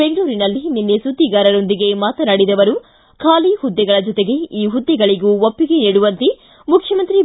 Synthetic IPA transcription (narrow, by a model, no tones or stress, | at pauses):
beŋɡɭuːɾinɐlːininːesud̪ʱːiɡaːɾɐɾo̞nd̪iɡe̞maːt̪ɐnɐɽid̪ɐʋɐɾu | kʰaːlihud̪ːɛɡɐɭɐd͡ʒɔt̪e̞ɡe̞iːɦud̪ːɛɡɐɭiɡuopːiɡeniːɽuʋɐnt̪i | mukʰjɐmɐnt̪ɾi